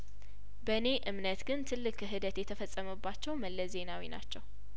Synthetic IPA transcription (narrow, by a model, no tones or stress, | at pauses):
bəne̞ʔɨmnət̪ɡɨnt̪ʰɨlːɨkʰɨɦɨd̪ət̪jɛt̪ʰəfəsʼːəməbːat͡ʃːɛwməlːəze̞nawḭna̰t͡ʃːɛw